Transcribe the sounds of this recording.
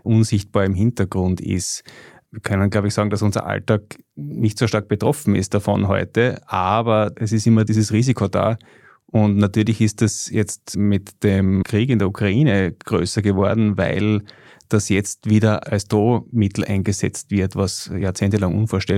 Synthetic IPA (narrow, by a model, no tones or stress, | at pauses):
ʔʊnzɪçt̚b̥aːɐɪmɦɪntəɡ̥ʁʊntɪ̰st | iːɐkʰœnənɡlaʊbɪçsaːɡŋdasʊnzɐ̰ʔa̰ltaːk̚nɪçtsoːʃtaɐk̚b̥ətʁ̥ɔfn̩ɪ̰st̚d̥afɔ̰nɦɔ̰ʏtəʔaːbɐɛsɪstɪmɐdiːzəsʁiːzikʰoda̰ː | ʔʊntnatyːɐlɪçɪstdɛsjɛt͡stmɪtd̥emkʰʁ̥iːkɪndeɐukʰʁ̥aiːnəɡ̥ʁø̰ːsɐɡəvɔɐdn̩væ̰ɪl | d̥asjɛt͡stviːdɐasd̥oːmɪtl̩ʔæ̰ɪnɡəzɛt͡stv̥ɪɐtvasjaːɐt͡seːntəlaŋʔṵnfoːɐʃtɛ